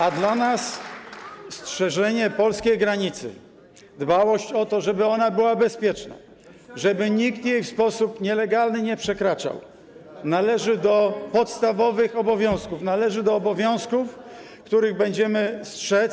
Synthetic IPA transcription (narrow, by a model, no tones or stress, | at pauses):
ad̪lanas | stʂɛʐɛɲɛpɔlskʲejɡɾaɲit̪sɘ̰ | d̪bawɔɕt͡ɕɔt̪ɔʐɛbɘɔnabɘwabɛspʲjɛt͡ʂna̰ | ʐɛbɘɲikt̪jejfspɔsupɲɛlɛɡalnɘɲɛpʂɛkɾat͡ʂa̰w | nalɛʐɘd̪ɔpɔt̪st̪avɔvɘxɔbɔvʲjɔ̃w̃skufnalɛʐɘd̪ɔːbɔvʲjɔ̃w̃skuf | kt̪uɾɘɣbɛɲd͡ʑɛmɘstʂɛ